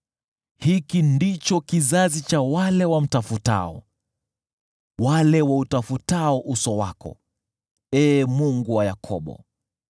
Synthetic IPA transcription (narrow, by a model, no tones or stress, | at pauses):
hikindit͡ʃɔkizazit͡ʃawalɛwam̩tafuta̰ɔ̰ | walɛwautafutaɔʔusɔwakɔ̰ | ɛːmuŋɡuwajakʰɔɓɔ̰